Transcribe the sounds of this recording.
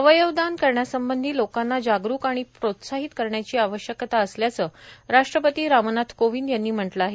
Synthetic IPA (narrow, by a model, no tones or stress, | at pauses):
əʋəjəʋd̪ankəɾɳjasəmbənd̪ʱiːlokanːad͡ʑaɡɾuːkaɽ̃ipɾot̪saɦit̪kəɾɳjat͡ɕiːaʋəɕjəkt̪aəsljat͡səːɾaʂʈɾəpət̪iːɾamənat̪ʰkoʋiːndjanːiːm̤əʈləaɦe